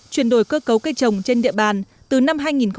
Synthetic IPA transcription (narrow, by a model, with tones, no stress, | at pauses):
t͡ɕwi˨˩ənɗo˨˧˩jkəː˧kə˨˦wka˧t͡ɕə˨˩wŋ͡mt͡ɕe˧nɗḭ˧˨əɓaː˨˩n | t̪ɨ˨˩na˧mɦaː˧jŋi˨˩nxə˧